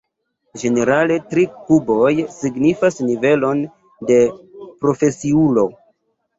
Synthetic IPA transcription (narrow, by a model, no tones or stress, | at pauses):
d͡ʒe̞ne̞ɾale̞tɾikubo̞jsiɡnifasnive̞lo̞n | de̞pɾo̞fe̞siulo̞